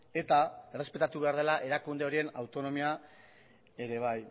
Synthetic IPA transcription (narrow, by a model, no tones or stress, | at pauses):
e̞t̪ae̞re̞spe̞t̪at̪uβe̞aɾðe̞laʔe̞ɾakund̪e̞o̞ɾie̞nawt̪o̞no̞mia | e̞ɾe̞β̞aj